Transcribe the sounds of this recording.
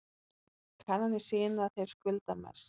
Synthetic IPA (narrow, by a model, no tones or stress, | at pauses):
kʰvanhanːɪ̥sɪːjɪnaθejɾ̥skʏlt̪amɛ̰s